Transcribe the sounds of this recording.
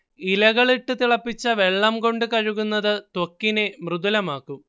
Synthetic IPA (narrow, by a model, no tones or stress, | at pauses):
ilɐɣɐɭiʈːɨt̪iɭɐpːit͡ɕːɐʋe̞ɭːɐmko̞ɳɖɨkɐɻuɣunːɐðɨt̪wokːine̞mruðulɐmaːkːum